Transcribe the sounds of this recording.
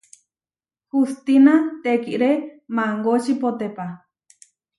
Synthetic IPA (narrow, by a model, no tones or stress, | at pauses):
hust̪inat̪ekḭʔɾemaŋɡoʃipot̪epa